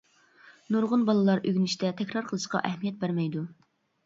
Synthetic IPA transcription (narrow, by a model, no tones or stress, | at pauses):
nuɾʁʊnbɑlˠɨlˠɑɾʔøɡʲnɪʃt̪ʰɛt̪ʰɛkʲɾɑɾqʰəlˠɨʃqɑ̰ʔɛhmijɛt̪̚bæɾmɛjd̪u